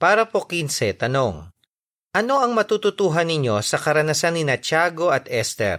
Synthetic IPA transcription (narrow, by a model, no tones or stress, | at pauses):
paːɾɐpo̞kinsɛt̪ɐno̞ŋ | ʔɐno̞ʔɐŋmɐt̪uːt̪ʊt̪uːɦɐnːɪɲjo̞sɐkɐɾɐnɐsanːɪnɐt͡ʃaːɡo̞ɐt̪ɛst̪ɛ̰ɾ